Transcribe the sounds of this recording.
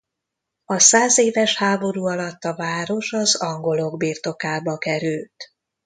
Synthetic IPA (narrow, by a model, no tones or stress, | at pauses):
ɒsaːzeːvɛʃhaːbo̞ɾuːɒlɒt̪ːɒvaːɾo̞ʃɒzɒŋɡo̞lo̞ɡbiːrt̪o̞kaːbɒkɛɾylt̪